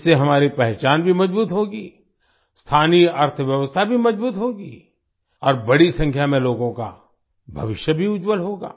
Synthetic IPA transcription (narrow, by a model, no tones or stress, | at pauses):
seɦɐmaːɾipɛɦt͡ʃaːnbʱimɐd͡ʒbuːt̪ɦoːɡiː | st̪ʰaːniɐɾt̪ʰəʋjəʋəst̪ʰabʱimɐd͡ʒbuːt̪ɦoːɡḭː | ɔːɾbɐɽisɐ̃ŋkʰjamẽloːɡõka̰ | bʱɐʋɪʃjəbʱiʊd͡ʒwəlɦoːɡa̰ː